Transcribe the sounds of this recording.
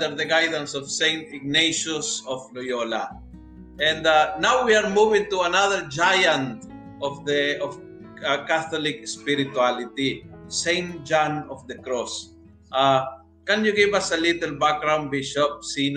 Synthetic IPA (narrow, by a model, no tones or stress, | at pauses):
d̪əɹd̪ɐɡajd̪ə̃nsɔv̥sẽjnt̪ɪɡ̚neʃʊsɔfnʊjola̰ | ʔɛ̃nd̪anawwiaɹmuvɪ̃ŋt̪ʊɐnaðəɹd͡ʒajãnt̪̚ | ʔɔfd̪əɔf | kaθɔlɪkspɪɾɪt̪ʊalɪt̪isẽɪ̃nt̪̚d͡ʒãnɔfd̪ɐkɹɔs | ʔa | kɐ̃njʊɡivɐsɐlit̪ɛlbak̚ɡɹãw̃nd̪̚biʃɔp̚sin